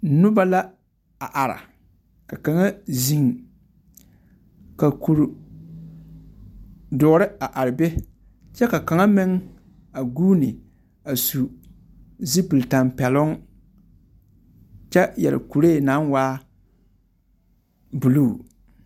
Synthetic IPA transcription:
nʊ˦ba˦la˦ | a˨ʔa˨ɾa̰˨ | ka˨ka˨ŋa˦zi˨ŋ | ka˨ku˨ɾ | dʊ˨˦ɾɪ˦a˨ʔa˨ɾɪ˨be˦ | t͡ʃɛ˦ka˨ka˨ŋa˦mɪ˦ŋ | a˨ɡuː˦nɪ˨ | a˨su˨ | zi˦pɨ˨lta˨mpɛ˨lʊ˦ŋ | t͡ʃɛ˦jɛ̰˨lɪ̰˨ku˨ɾeː˦˨na˨˦nwaː˦ | bu˨lu˦˨

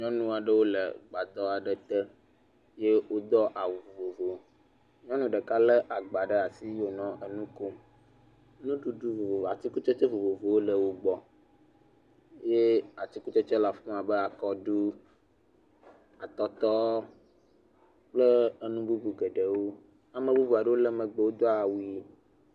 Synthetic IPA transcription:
ɲɔ̃˦nũ˦a˨ɖə˦wo˦lə̰˨ɡ͡ba˨d̪ɔ˦a˨ɖə˦t̪ɛ˦ | je˦wo˦d̪ɔ˦ʔa˨wo˨vo˨vo˨vo˨˦ | ɲɔ̃˦nũ˦ɖə˨ka˦lə˦ʔa˨ɡ͡ba˨ɖə˦a˨si˦wo˨nɔ̃˨ə˨nũ˦ko˦ | nũ˦ɖu˨ɖu˦vo˨vo˨a˨t̪i˦ku˦t͡ʃe˦t͡ʃɛ˦vo˨vo˨vo˨wo˦lə˨wo˨ɡ͡bɔ˨ | je˦a˨t̪i˦ku˦t͡ʃe˦t͡ʃɛ˦la˨fũ˦a˨bə˦a˨kɔ˦ɖu˦ | a˨t̪ɔ˦t̪ɔ˦ | k͡plə˦ə˦nũ˦bu˦bu˨ɡə˨ɖə˨wo˦ | a˨mə̃˨bu˦bu˨a˨ɖə˦wo˦lɛ˦mə̃˨ɡ͡be˨wo˦d̪ɔ˦a˨wu˨˦

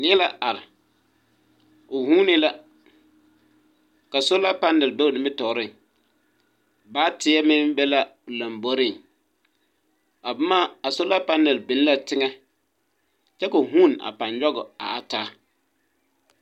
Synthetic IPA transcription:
nɪ˦ɛ˦la˦ʔa˨ɾɪ˨ | ʊ˨hũː˦nɪ˦la˦ | ka˨sʊ˦la˦pa˦nːɪ˨lbɛ˦˨nɪ˨mɪ˦tɔ˨ɾɪ˦ŋ | baː˦tɪ˨˦ɛ˦mɪ˦nbɛ˦la˦˨la˨mbo˦ɾɪ˦˨ŋ | a˨bʊ˨˦maː˦a˨sʊ˦la˦pa˦nːɪ˨lbɪ˨n˦la˨tɪ˦ŋɛ˦ | t͡ʃɛ˦ko˨ɦu˦na̰˨pa˨nd͡ʒɔ˦ɡɔ˨a̰˨a˨taː˦

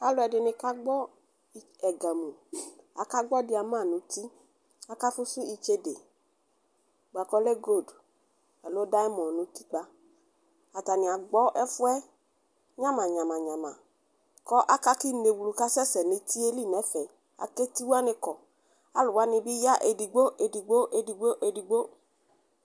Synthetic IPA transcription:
a˦lʊ˨˦ɛ˨dɪ˨nɪ̃˧ka˦ɡ͡bɔ˦ | i˨ | ɛ˨ɡa˨mũ˨a̰˨ka˦ɡ͡bɔ˦dɪ˨˦a˨mã˦˨nʊ̃˨t̪i˦ | a˦ka˦fʊ˦sʊ˦i˦t͡ʃe˦de˨ | bo˨a˨kɔ˦lɛ˦ɡo˦˨d | ɛ˨lʊ˦ɔ˦da˦ɛ˦mɔ̃˨nʊ̃˨t̪i˦k͡pa˦ | a˨ta˨nɪ̃˨a˨ɡ͡bɔ˦ʔɛ˦fʊ˦ɛ˦ | ɲã˦mã˨ɲã˨mã˨ɲã˨mã̰˨ | kɔ˦ʔa˦ka˦ki˦ne˨wu˧lu˨ka˦sɛ˦sɛ˨nɪ˧t̪i˦e˦li˦˨nɛ˨˦fɛ˨ | a̰˨ke˦ti˦wu˦a˦nɪ̃˧kɔ˨ | a˨lʊ˨wa˦nɪ̃˧bi˦ja˦ʔe˨di˨ɡ͡bo˦ʔe˧di˨ɡ͡bo˦ʔe˧di˨ɡ͡bo˦ʔe˧di˨ɡ͡bo˦

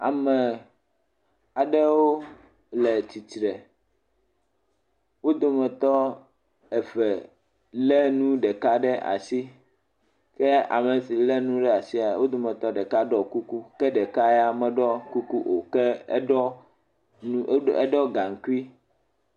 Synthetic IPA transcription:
a̰˨mɛ̃˨ | a˨ɖɛ˦wo˦ | lɛ˨t͡ɕi˨t̪ɾɛ˨ | wo˦d̪o˦mɛ̃˨t̪ɔ˦ | ɛ˨fɛ˨ | lɛ˦nũ˦ɖɛ˨ka˦ɖɛ˦ʔa̰˨si˦ | kɛ˦a̰˨mɛ˨si˨lɛ˦nũ˦ɖɛ˦a˨si˦a˨wo˦d̪o˦mɛ̃˨t̪ɔ˦ɖɛ˨ka˦ɖɔ˦ku˦ku˦kɛ˦ɖɛ˨ka˦ɛ˦a˨mɛ̃˨ɖɔ˦ku˦ku˦ʔo˨kɛ˦ɖɔ˦ | ɛ̰˦ɖɔ˦ɡa˨ŋ̩˨ki˦

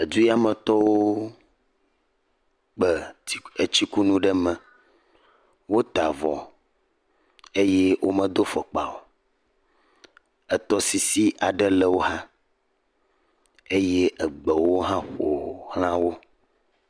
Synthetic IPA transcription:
e˨d͡ʒu˦ja˦mə̃˨t̪ɔ˦wo˦ | k͡pɛ˨˦e˨t͡ɕi˦ku˦nũ˦ɖɛ˦mɛ̃˨ | wo˦t̪a˨vɔ̰˨ | e˦je˦wʔo˦mə̃˦d̪o˦fɔ˨k͡pa˨wo˨ | ə˨t̪ɔ˦si˨si˦ʔa˨ɖɛ˦lɛ˦wo˦ɦã˦ | e˦je˦ʔə˨ɡ͡bɛ˨wo˦ɦã˦xo˨hl̃ã˦wo˦

